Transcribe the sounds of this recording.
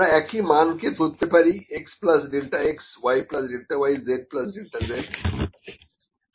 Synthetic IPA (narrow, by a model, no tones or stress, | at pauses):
ɾaɛkʰimanket̪ut̪ːepaɾieksplɐsɖilʈaeksʋajplɐsɖilʈ̪aʋajd͡zeʈ̚plɐsɖilʈad͡zeʈ